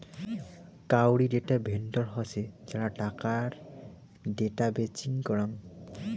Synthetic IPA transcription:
kawɽiɖeʈabʱenʈɔɹɦɔsed͡ʑaɾaʈakaɹ | ɖeʈabet͡ʃiŋkɔɹaŋ

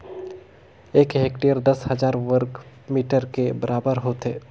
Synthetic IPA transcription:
eːkɦeːkʈijəɾd̪ɐshɐzaːɾʋəɾk | miːʈəɾkebɐɾaːbəɾɦoːt̪ɦeː

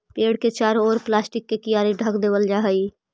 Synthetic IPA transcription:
peːɽket͡ʃaːɾɔːɾplaːsʈɪkːekijaːɾeɖʱəkd̪eːʋəld͡ʒaːɦəi

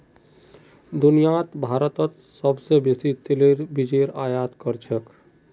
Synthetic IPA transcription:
d̪unijat̪bʱaːɾət̪ət̪ | səbsebeːsit̪eleɾbid͡ʒeɾaːjaːt̪kəɾt͡ʃʰək

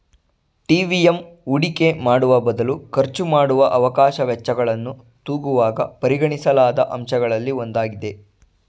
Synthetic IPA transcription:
ʈiːʋiemuɽike̞maːɽuʋɐbɐd̪ɐlukɐɾt͡ʃumaːɽuʋɐʔɐʋɐkaːʃɐʋɛt͡ʃːɐɡɐɭɐnːu | t̪uːɡuʋaːɡɐpɐɾiɡɐɳisɐlaːd̪ɐʔɐmʃɐɡɐɭɐlːio̞nd̪aːɡid̪e̞

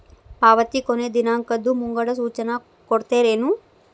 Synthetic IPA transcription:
paːʋɐt̪ikoned̪inaːŋkɐd̪ːumuŋɡɐɽɐsuːt͡ʃɐnɐ | koɽt̪eːɾeːnu

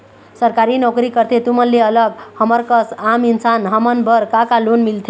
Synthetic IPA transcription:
səɾkaɾinɔkɾikəɾt̪ʰet̪umənːeələɡhəməɾkəsaminsanɦəmənbəɾkakalonmilt̪ʰe

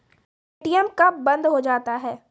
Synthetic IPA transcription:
eeːʈijɛmkabɐ̃nd̪ɦod͡ʒaːt̪aɦɛː

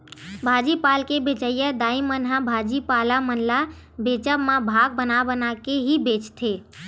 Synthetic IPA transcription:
bʱad͡ʒipalkebet͡ʃəjəd̪aimənɦãbʱad͡ʒipalamənla | bet͡ʃəbmãbʱaɡ̚bənabənakeɦibet͡ʃt̪ʰe

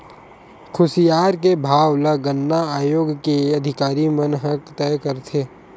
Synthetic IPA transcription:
kʰʊsijaːɾkebʱaːwləɡənːaaːjoːɡkeɐd̪ʱɪkaːɾimənɦəkt̪ɛːkəɾt̪ʰeː

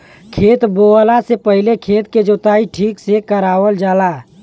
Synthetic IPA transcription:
kʰeːt̪bolasepəɦilekʰeːt̪ked͡ʒot̪aːiʈʰiːksekəɾaːwəld͡ʒaːla

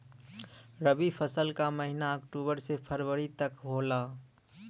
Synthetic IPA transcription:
ɾəbipʰəsəlkaməɦɪnaəkʈoːbəɾsepʰəɾwəɾit̪əkɦoːlaː

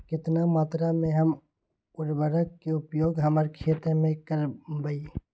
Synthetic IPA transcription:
kɪt̪namaːt̪ɾamẽɦəm | ʊɾbəɾəkːeʊpjoːɡɦəmaːɾekʰeːt̪ɾəmẽkəɾbai

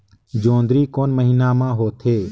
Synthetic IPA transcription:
d͡ʒoːnd̪ɾiːkoːnməɦiːnaːmãːɦoːt̪ʰeː

